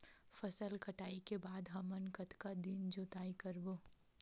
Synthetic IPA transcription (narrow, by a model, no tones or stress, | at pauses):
fɐsəlkɐʈaːikebaːd̪ɦɐmənkɐt̪kad̪ɪnd͡ʒoːt̪aːikɐɾboː